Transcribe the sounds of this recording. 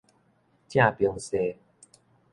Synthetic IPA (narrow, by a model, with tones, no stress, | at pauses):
t͡ɕjã˥˧pjə˧˩ŋse˨˩